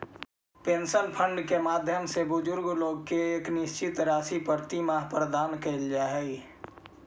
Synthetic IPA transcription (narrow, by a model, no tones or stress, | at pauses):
peːnsənpʰə̃ɳɖkemaːd̪ʱjəmsebʊd͡ʒʊɾɡloːɡ̚keeːknɪst͡ʃɪt̪ɾaːsipəɾt̪imaɦpɾəd̪aːnkeld͡ʒaɦɛɡ